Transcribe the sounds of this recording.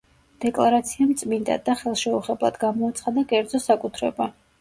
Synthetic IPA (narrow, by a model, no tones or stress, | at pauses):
d̪̥ɛkʼlˠaɾat̪sʰiamt̪sʼmind̪a̰d̪ːaχɛlˠʃɛuχɛblˠa̰d̪ɡamɔat̪sʰχad̪akʼɛɾd̪zɔsakʼut̪ʰɾɛba